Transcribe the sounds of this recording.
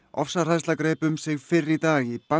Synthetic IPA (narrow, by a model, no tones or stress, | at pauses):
ɔfsar̥ajst̪lakɾeːpʏmsɪɣfɪrːɪt̪aːɣipa